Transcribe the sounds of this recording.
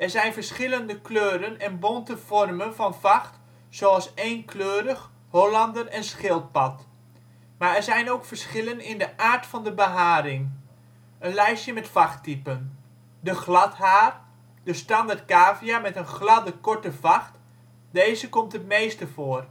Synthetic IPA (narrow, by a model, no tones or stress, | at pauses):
ɛrɹzɛjnfəɹsχɪləndəkløːɾənɛnbontəfɔrmənfɑnfɑxt | soɑlˠseːnkʰløːɾəx | holɑndərɛnsχɪlˠt̚pɑt | maɛɹzɛjnowkfəɹsχɪlənɪndəʔaːrtfɑndəbəɦaːɾɪŋ | ənlɛjsjəmɛtfɑxtipən | dəχlɑtɦaːr | d̥əstɑndart̚kaːviamɛtənχlɑdəkɔɹtəvɑxt | deːzəkɔmtətmeːstəfoːər